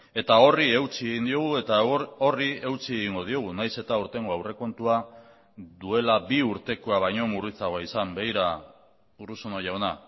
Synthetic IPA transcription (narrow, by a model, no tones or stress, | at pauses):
e̞t̪ao̞rie̞wt͡sieɣind̪io̞ɣ̞ue̞t̪ao̞rie̞wt͡sieɣiŋɡo̞ð̞io̞ɣ̞unajse̞t̪auɾt̪e̞ŋɡo̞awre̞ko̞nt̪ua | d̪ue̞labiuɾt̪e̞koaβ̞ajɲo̞murit͡saɣo̞aisambe̞iɾa | uruso̞noʝawna